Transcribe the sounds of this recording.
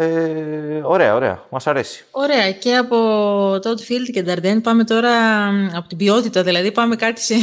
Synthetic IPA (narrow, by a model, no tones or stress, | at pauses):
e | o̞ɾe̞ɐo̞ɾe̞̰ɐ̰mɐsɐɾe̞si̥o̞ɾe̞ɐce̞ɐpo̞t̪ot̪ufild̪ced̪ɐɾd̪enpɐme̞t̪o̞ɾɐɐpo̞t̪ibio̞t̪it̪ɐðilɐðipɐme̞kɐt̪i̥se